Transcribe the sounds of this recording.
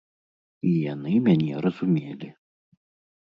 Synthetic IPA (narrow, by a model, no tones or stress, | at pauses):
jiɛnɐɪmʲɛnʲiɛɾɐsʊmʲeːlʲɪ